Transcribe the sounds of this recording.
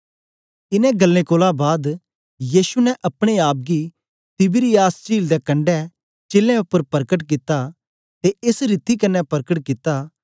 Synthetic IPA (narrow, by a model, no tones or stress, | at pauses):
ɪnɛ̃ɡɐlːẽkoːlãbaːd̪ | jiːsunɛʔɐpɽ̃eaːp̚ɡi | t̪ɪbɪɾijaːst͡ʃiːld̪ɛkɐ̃ɳɖɛ | t͡ʃeːlẽʊpːəɾpɐɾkəʈ̬k̬ɪt̪ːa | t̪eʔɪsɾɪt̪ikɐnːɛpɐɾkəʈkɪt̪a